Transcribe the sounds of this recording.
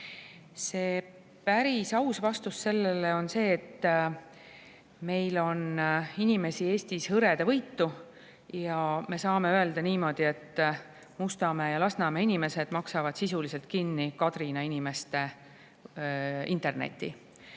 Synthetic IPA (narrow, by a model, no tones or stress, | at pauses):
se̞ː | pæɾisɑwsvɑst̪usːe̞lːeleo̞nse̞ːt̪ː | me̞jlo̞ninime̞sie̞ːst̪ishɤɾe̞d̪̥evɤjt̪ːu | jɑme̞sɑːme̞øe̞ld̪̥ɑniːmo̞d̪̥ie̞t̪ˑː | must̪ɑme̞jɑlɑsnɑme̞inime̞se̞d̪̥mɑksɑvɑd̪̥sisulise̞lt̪̚kinːikɑt̪rinɑinime̞st̪e̞ | int̪ˑe̞rnḛt̪ːˑḭ